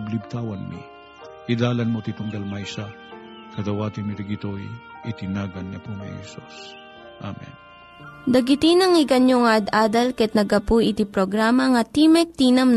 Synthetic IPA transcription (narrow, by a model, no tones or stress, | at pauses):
blɪb̚t̪aːwɐnmḭ | ʔɪd̪aːlɐnmot̪it̪ʊŋɡɐlmajsa | kɐd̪ɐwaːt̪ɪnmit̪iɡɪt̪oj | ʔɪt̪ɪnaːɡɐnːɐpunɐ̰hɛ̰sus | ʔa̰mɛ̰n | d̪ɐɡɪt̪inɐŋɪɡɐnjoŋad̪ʔaːd̪ɐlkɛt̪̚nɐɡɐpuʔɪt̪ipɾoɡɾaːmɐŋɐt̪imɛk̚t̪inɐm